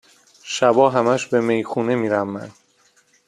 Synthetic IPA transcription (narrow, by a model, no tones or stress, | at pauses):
ʃæbɒːɦæmæʃbe̞me̞jxuːne̞miːɾæmːæ̰n